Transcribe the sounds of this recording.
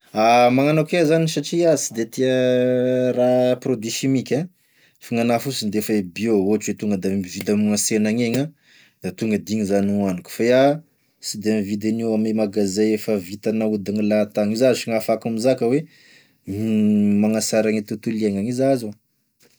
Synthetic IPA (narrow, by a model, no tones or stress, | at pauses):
amaŋanakezaniʃaʈ͡ʂiat͡sid̪et̪ia | raprod̪iʃimikʲa | faŋanafusind̪efaebioot͡ʃwet̪uŋɡəd̪aivid̪amaŋasenaŋeɲa | d̪̥at̪uŋɡəd̪iŋizananiku̥faia | sid̪emivid̪eniwamemaɡazeefəvit̪anaud̪aŋilat̪aŋizazʃiŋafakamizakəwe | mmaŋasaɾaŋit̪ut̪ulieŋaŋizazo